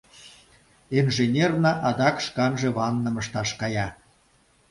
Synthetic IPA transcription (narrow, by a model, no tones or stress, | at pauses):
enʒenʲernɑʔɑd̪ɑkʃkɑnʒĕβɑnːə̆məʃt̪ɑʃkɑjɑ